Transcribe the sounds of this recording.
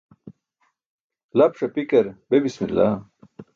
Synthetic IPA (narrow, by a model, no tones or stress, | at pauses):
lɐpʂɐpikɐɾbebismilːa̰